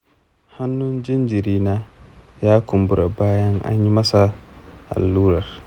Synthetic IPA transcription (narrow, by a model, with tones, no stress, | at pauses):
ha˦nːʊ˦nd͡ʒɪ˦nd͡ʒi˨ɾiː˦naː˦jaː˦kʊ˨mbʊ˦ɾa˨baː˦jɐ˦ŋʔa̰˦ɲji˦mɐ˦sa˦ʔa̰˨lːuː˦ɾɐ˨r